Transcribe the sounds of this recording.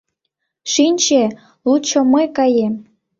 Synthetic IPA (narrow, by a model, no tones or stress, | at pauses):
ʃinʲt͡ɕe | lut͡ɕoməjkɑjem